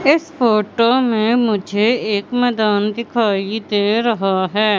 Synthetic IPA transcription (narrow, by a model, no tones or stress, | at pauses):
ɪsfoːʈomẽmʊd͡ʒʱeeːkmɛːd̪aːnd̪ɪkʰaːid̪eːɾɐɦaɦɛː